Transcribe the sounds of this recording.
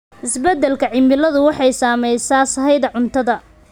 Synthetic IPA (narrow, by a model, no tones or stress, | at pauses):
ʔɪsbɛd̪ːɛlkʰɐʕɪmɪlɐðʊwɑħɑjsaːmɛjsaːsɐɦɛjðɐʕʊnt̪ʰɐðɐ